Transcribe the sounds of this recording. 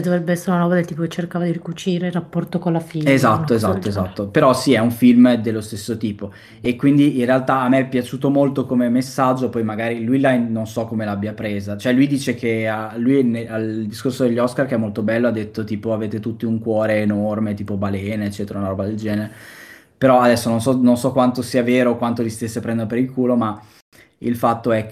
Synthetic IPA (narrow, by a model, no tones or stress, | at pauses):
d̪ovɾebːeɛsːeɾeunanɔbad̪elt̪iːp̬oket͡ʃːerkaːvad̪iɾikut͡ʃiːɾeilːapːɔrt̪okonlafiezat̪ːoezat̪ːoezat̪ːopeɾɔsiɛuɱfilmd̪elːost̪esːot̪iːpo | ekwind̪iʔinrealt̪aːmːeɛpːjat͡ʃuːt̪omolt̪okomemesːad͡ʒːopɔjmaɡaːɾilujlajnnːonsɔkːomelaabːiapɾeːzat͡ʃoɛlujd̪iːt͡ʃekʰealːujneald̪iskorsod̪eʎːɔskarkeɛmolt̪obɛlːoad̪ːet̪ːot̪iːpoaveːt̪et̪ut̪ːiuŋkwɔːɾeːnormet̪iːpobalɛːnoet͡ʃːɛːt̪eɾaunaɾɔbad̪eld͡ʒɛːneɾe | peɾɔad̪ɛsːononsɔnonsɔkːwant̪osiːaveːɾoːkwant̪olist̪esːepɾɛnd̪oɾopeɾilkuːloma | ḭlfat̪ːoɛ